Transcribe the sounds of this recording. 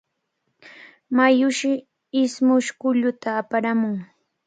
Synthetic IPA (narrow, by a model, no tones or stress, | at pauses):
majʊʃɪ | ɪsmʊʃkʊʎʊt̪aːpaɾamʊŋ